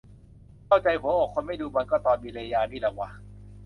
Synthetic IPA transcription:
kʰa˥˩wt͡ɕa˧jpʰo˨˦ɔː˨˩kʰːo˧nma˥˩jduː˧ma˧nkɔː˥˩t̪ɔː˧nmiː˧la˧jaː˧niː˥˩la˨˩wa˧˦

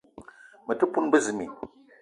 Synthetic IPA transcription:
mə˨tɨ˦pu˦nbə˦zɨ˨mḭ˨

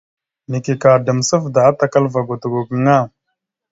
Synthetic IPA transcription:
ni˨ki˨ka˨də˨msə˦vda˨a˦t̪a˨ka˦lva˨ɡu˨t̪u˨ɡo˨ɡə˨ŋa˦˨

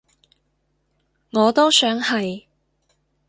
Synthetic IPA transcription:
ŋɔː˨˧t̪o˥wsœː˨˥ŋhɐ˨j

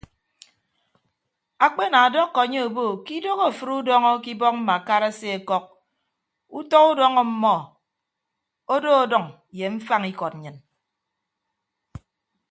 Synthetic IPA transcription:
a˨k͡pe˦na˨a˨dɔ˦kːɔ˨a˨ɲe˦o˨bo˦˨ki˦do˦ɣo˦˨fɨ˨ɾu˦dɔ˦ŋɔ˦ki˦bɔ˦k̚m̩˦ma˨ka˦ɾa˦se˦e˨kɔ˦k̚ | u˦tɔ˦ku˦dɔ˦ŋɔ˦m̩˦mɔ˦ | o˦do˦o˨dɔ˨ŋ˨ | je˨ɱ̩˦fa˦ŋi˦kɔ˨t̚ɲɨ˨n

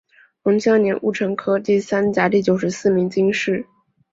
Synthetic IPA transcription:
xʊ˧˥ŋɕjɑ˥njɛ˧˥nʔṵ˥˩ʈ͡ʂʰɤ˧˥ŋkʰɤ˥t̪i˥˩sa˥nt͡ɕja˧˥t̪i˥˩t͡ɕjo˨˩ʊʂɻ̩˧˥sɹ̩˥˩mi˧˥ŋt͡ɕi˥ŋʂɻ̩˥˩

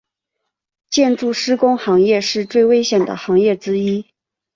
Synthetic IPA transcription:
t͡ɕjɛ˥˧nʈ͡ʂu˥˩ʂɻ̩˥kʊ˥ŋxɑ˧˥ŋjɛ˥˧ʂɻ̩˥˧t͡swe˥˩ɪwe˥ɪɕjɛ˨˩nd̪ə̰˩xɑ˧˥ŋjɛ˥˩ʈ͡ʂɻ̩˥i˥

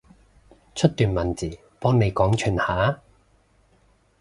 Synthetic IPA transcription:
t͡ʃʰɵ˥t̚t̪yː˨˩nmɐ˨nt͡siː˨˩ | pɔː˥ŋne˨˧jkɔː˨˥ŋt͡ʃʰyː˨˩nhaː˨˥

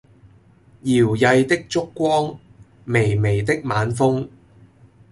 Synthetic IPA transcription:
jiː˨˩wjɐ˧jt̪ɪ˥k̚t͡sʊ˥kːʷɔː˥ŋ | me˨˩jme˨˩jt̪ɪ˥k̚maː˨˧˥nfʊ˥ŋ

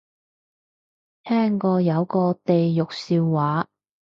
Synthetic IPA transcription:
t̪ʰɛː˥ŋkɔː˧jɐ˨˧wkɔː˧t̪e˨jːʊ˨k̚siː˧wːaː˨˥

